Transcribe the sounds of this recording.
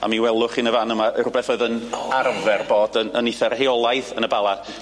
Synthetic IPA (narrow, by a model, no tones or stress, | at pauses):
a̰miwɛlˠʊχinəvanəmaʔəɾʊbɛθoɨðənarvɛrboːdənəniθɛrheɔlˠajθənəbalˠad̥